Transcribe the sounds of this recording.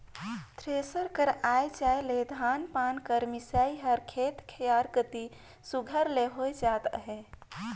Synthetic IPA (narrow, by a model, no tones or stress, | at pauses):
t̪ʰɾesəɾkəɾajd͡ʒajled̪ʱanpankəɾmisaiɦəɾkʰet̪kʰəjaɾkət̪i | suɡʱəɾleɦojd͡ʒat̪ɦe